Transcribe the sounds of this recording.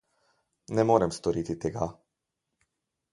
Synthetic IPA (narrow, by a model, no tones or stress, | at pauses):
nemoɾemst̪oɾit̪it̪eɡa